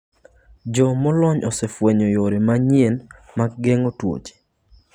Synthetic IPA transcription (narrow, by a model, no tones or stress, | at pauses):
d͡ʒɔmɔlɔɲɔsɛfweɲɔjoɾemaɲien | maɡ̚ɡeŋotwo̰t͡ʃe̥